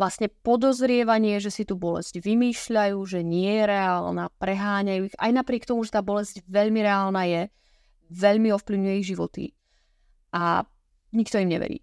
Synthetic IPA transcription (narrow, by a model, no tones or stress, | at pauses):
ʋlasɲɛpɔd̪ɔzɾɪɛʋaɲɪɛʒɛsit̪uːbɔlɛ̰zɟʋimiːʃʎajuːʒɛɲɪɛjɛɾɛaːlnaːpɾɛɦaːɲajuːiɣa̰jnapɾɪɛk̚t̪ɔmuʒɛt̪aːbɔlɛzɟʋɛʎmiɾɛaːlnaːjɛ | ʋɛʎmiɔfpliʊɲujɛiʒiʋɔt̪ḭ | ʔa | ɲikt̪ɔimɲɛ̰ʋɛ̰ɾḭː